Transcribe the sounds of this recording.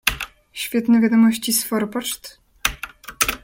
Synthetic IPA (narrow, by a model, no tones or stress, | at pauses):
ɕfʲet̪nɛvʲad̪omɔɕt͡ɕisfɔrpɔʂt̪